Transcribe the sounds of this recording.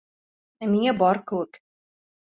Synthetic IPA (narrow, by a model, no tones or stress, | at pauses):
æmiŋæbɒɾkɘ̆wɘk